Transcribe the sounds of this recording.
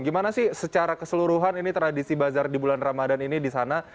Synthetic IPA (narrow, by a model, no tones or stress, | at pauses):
ɡimanasɪhsət͡ʃaɾakəsəluɾuɦaninit̪əɾadisibazardibulanramadaninidisana